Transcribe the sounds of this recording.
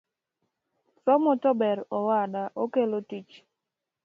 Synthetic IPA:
sɔmɔtɔbɛɾɔwadaʔokelotit͡ʃ

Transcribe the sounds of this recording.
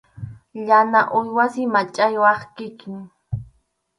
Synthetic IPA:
ʎanaʔʊjwasɪmat͡ʃʼajwɑχkɪkɪŋ

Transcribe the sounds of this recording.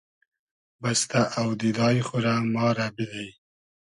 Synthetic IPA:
bast̪aʔawd̪id̪ɑjxʊɾamɑɾabilaj

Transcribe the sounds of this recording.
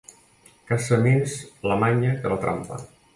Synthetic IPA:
kasəminzləmaɲəkələt̪ɾʔa̰mpə̰

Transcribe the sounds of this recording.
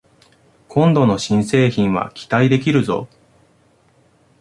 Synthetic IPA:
kʰõ̞nd̪o̞no̞ɕĩɰ̃se̞ːçĩɰ̃βa̰kʲi̥t̪aid̪e̞k̬ʲiɾɯ̟zo̞̰

